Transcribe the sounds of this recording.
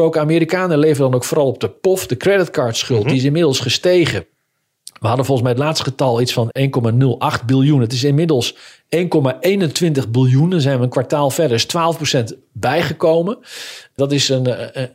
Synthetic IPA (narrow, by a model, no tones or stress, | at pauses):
owkaːmiːɾikaːnəleːvəndɑnowkfoːrɑlˠɔp̚dəpɔfdəkrɛdɪtkaːɹtsχɵlˠtdiɪs̬ɪnmɪdəlˠsχəstejχə | ʋəɦɑdənfɔlˠəs̬mɛjətlaːtstχətɑlˠitsfɑnejnkomanɵlˠɑχt̚bɪlˠjunətɪs̬ɪnmɪdəlˠs | ejnkɔmaʔejnəntʋɪntəχbɪlˠjunəzɛjnʋənkʋaɹtaːlˠfɛdəɪstʋaːlˠəfprosɛnt | bɛjχəkowmədɑtɪsən